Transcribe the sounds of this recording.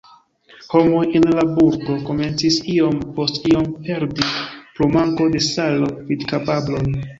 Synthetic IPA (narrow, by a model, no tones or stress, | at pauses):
ho̞mojenlabuɾɡo̞ko̞me̞nt͡sisio̞mpo̞stio̞mpe̞ɾdipɾumaŋko̞de̞salo̞vidkapablo̞n